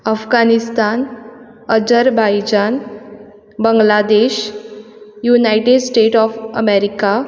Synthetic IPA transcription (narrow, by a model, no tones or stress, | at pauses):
əfɡanist̪an | əd͡ʑəɾbajd͡ʑan | bəŋɡlad̪eɕ | junajʈeɖsʈeʈɔfəmeɾika